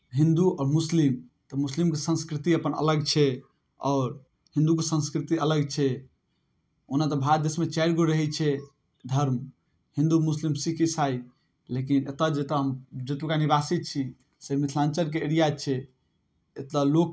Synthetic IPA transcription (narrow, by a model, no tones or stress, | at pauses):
ɦĩnd̪uɔːɾmuslimt̪ɔmuslimkesə̃nskɾit̪iəpənə̰ləɡt͡ʃʰɛ | ɔːɾ | hĩnd̪uk̬esə̃nskɾit̪iələɡt͡ʃʰɛ | onat̪ɔbʱad̪esmet͡ʃaɪɾɡoɾəɦɛt͡ʃʰɛ | d̪ʱəɾm | hĩnd̪umuslimsikʰisai | lekinet̪ad͡ʒet̪ɔɦəmd͡ʒet̪ukanibasit̪̚t͡ʃʰi | semit̪ʰlãnt͡ʃəɾk̬eeɾijat͡ʃʰɛ | et̪alok